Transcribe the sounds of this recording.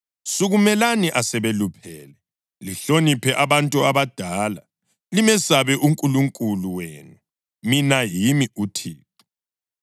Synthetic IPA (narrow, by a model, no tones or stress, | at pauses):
suɣumɛlaniʔasɛβelupʰɛːlɛ | liɬonipʰɛʔaβantʼuaβad̥ʱaːla | limɛsaβɛʔuŋkʼuluŋkʼuluweːnu | minajimiutʰiːtɛ̥